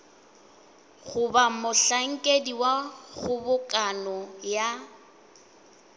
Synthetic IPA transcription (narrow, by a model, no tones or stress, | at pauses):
ɣʊbamʊɬaŋ̩kʼediwaɣʊbʊkʼanɔja